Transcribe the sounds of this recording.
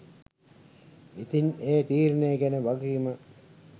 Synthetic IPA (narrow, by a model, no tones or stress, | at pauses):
it̪ineːt̪iːɾneːɡænəʋaɡiːmə